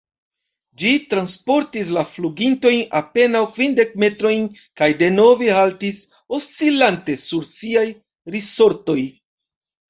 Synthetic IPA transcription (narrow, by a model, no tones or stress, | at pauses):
d͡ʒitɾanspo̞ɾtis̬lafluɡinto̞jnape̞nawkvinde̞k̚me̞tɾo̞jnkajde̞no̞vehaltis | o̞st͡silante̞suɾsiaj | ɾiso̞ɾto̞j